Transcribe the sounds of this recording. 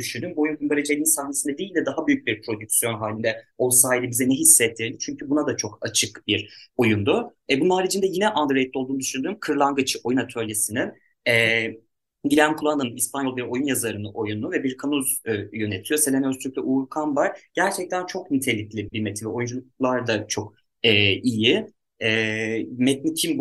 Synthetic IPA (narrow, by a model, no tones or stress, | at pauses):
d̪yʃynd̪ymbuo̞junkʰymbaɾed͡ʒelʲinsahnesind̪ɛd̪ijːilʲd̪ɛd̪aɦabyjyc̚biɾpʰɾo̞d̪ycsijo̞nɦaːlʲind̪ɛolˠsaːilʲɛbizɛnɛɦisːɛt̪ʰːiɾd̪ʲit͡ʃʰyɲcʰybunad̪at͡ʃʰo̞kat͡ʃʰɯkbiɾo̞jund̪u | ɛbunaɾid͡ʒʰind̪ɛjinɛʔand̪ɾjt̪lʲːolˠd̪und̪yʃynd̪ymkʰɯɾlˠaŋɡɯt͡ʃʰɯ̥o̞junat̪ʰølʲjesinin | ɛ | ɟilʲæmkʰulˠanɯnɯnispʰanjolˠbiɾo̞junjazaɾɯnɯʔo̞junuvɛbiɾkʰanuzjø̞net̪ʰijo̞selʲemɛøst͡ʃʰylyclʲɛʔuːɾkʰamvaɾ̥ɟ̥æɾt͡ʃʰɛc̚t̪ʰænt͡ʃʰo̞knint̪ʰe̞lʲiclʲibiɾmet̪ʰinvɛo̞jund͡ʒulˠuk̚lˠaɾd̪at͡ʃʰo̞k | ɛiji | ɛmɛt̪̚nicʰim